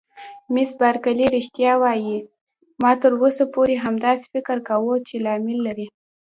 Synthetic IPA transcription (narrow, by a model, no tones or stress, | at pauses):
mɪsbaɾkaliɾɪʃt̪jɑwɑji | mɑt̪əɾwosapoɾeɦamd̪ɑse̥fɪkɪɾkawət͡ʃelɑmɪlːaɾi